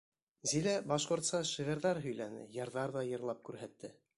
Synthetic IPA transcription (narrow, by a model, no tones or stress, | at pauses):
zilæbɑʃqŏɾt̪sɑʃiʁæ̆ɾðæɾɦɵ̆jlænɘ̰jɑɾðɑɾðɑjɤ̆ɾlˠɑp̚kʉɾɦæt̪ːɘ